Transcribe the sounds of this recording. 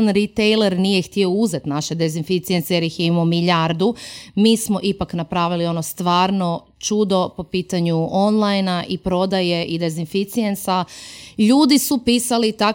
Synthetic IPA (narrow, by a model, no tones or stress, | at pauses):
nɾit̪ejleɾnijext̪io̞uzet̪naʃed̪ezinfit̪siensejeɾjixjimomiʎaɾd̪umiːsmo̞ʔipaknapɾaːʋilio̞no̞st̪ʋaːɾno̞ | t͡ʃud̪o̞po̞piːt̪aɲuʔonlˠajnaʔipɾo̞d̪aje̞ʔid̪e̞zinfit̪siensaʎuːd̪isupiːsalit̪ak